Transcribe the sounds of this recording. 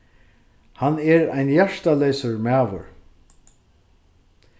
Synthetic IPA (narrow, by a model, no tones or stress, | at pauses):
hanɛɹa̰jnjæʂt̪alɛːsəɹmæːʋə̰ɹ